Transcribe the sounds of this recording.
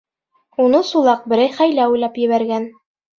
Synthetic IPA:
unɤsulˠɑq̚bɘ̆ɾæjχæjlæujlˠɑpjɘ̆βæɾɡæn

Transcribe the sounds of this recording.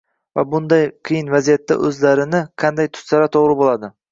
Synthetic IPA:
va̰bʊnd̪ajqʰɨjɪnvazijat̪ʰːa̰ʔɵzlaɾɪnɪqʰɑnd̪ajt̪ʰʊ̥ssaɾat̪ʰoʁɾɪbolˠad̪ɪ

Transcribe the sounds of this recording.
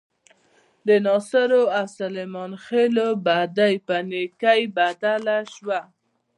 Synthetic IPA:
d̪ənɑsaɾoawsalemɑnxelobad̪ajpanekajbad̪alaʃwa

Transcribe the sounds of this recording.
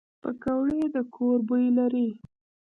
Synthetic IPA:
pəkawɽed̪əkʰoɾbəjlaɾi

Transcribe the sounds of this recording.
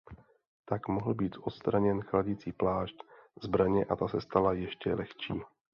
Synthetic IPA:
t̪akmoɦl̩biːt̪ʔo̞t̪st̪ɾaɲɛnxlaɟit͡siːplaːʃtzbɾaɲɛʔat̪asɛst̪alajɛʃcɛlɛxt͡ʃḭː

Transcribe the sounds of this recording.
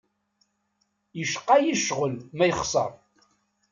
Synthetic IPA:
jəʃqːɑjəʃʁəlmæjəχsˤɑ̰ɾˤ

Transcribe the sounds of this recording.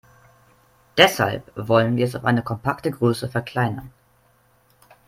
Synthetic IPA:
d̥ɛsha̰lpvɔlənviːɐɛsaʊfʔa̰ɪnəkʰɔmpʰaktəɡʁøːsəfɛɐkʰl̥aɪnɐ̰n

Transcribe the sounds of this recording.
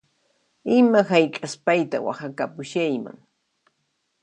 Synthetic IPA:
ɪmahajkʼaspajt̪a̰wa̰hakapʊʃajma̰ŋ

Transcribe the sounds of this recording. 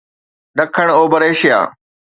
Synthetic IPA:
ɗɐkʰəɽ̃oːbɐɾeːʃɪja̰ː

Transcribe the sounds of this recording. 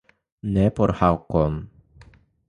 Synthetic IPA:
nepoɾhawkon

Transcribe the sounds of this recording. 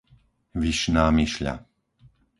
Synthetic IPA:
ʋiʃnaːmiʃʎa̰

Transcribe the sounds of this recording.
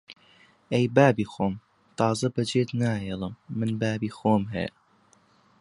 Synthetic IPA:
ejbaːbiːxoːm | t̪ʰɑːzɐbɐd͡ʒeːt̪naːɦeːlˠɨmːɨnbaːbiːxoːmɦɛ̰jɐ

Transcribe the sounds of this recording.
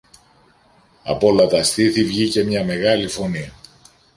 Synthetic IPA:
ɐ̰po̞lɐt̪ɐst̪iθivʝice̞mɲɐme̞ɣɐlifo̞niɐ

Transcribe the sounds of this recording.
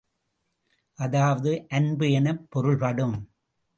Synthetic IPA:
ʔɐðaːʋɐðɯʔɐnbɯɛnɐpːɔɾɯɭpɐɽɯm

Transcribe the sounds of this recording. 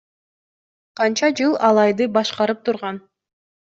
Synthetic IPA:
qʰɑnt͡ʃɑd͡ʒɯlˠɑlˠɑjd̪ɯbɑʃqɑɾɯp̚t̪ʰuɾʁɑn

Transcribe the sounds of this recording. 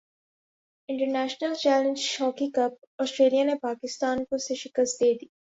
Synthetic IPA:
ɪ̃ɳʈəɾnæːʃnəlt͡ʃæːlẽnd͡ʒʃɔːkĩkɐp̚ | ɔːsʈɾeːlijanepaːkɪst̪aːnkoseʃɪkəst̪̚d̪eːd̪iː

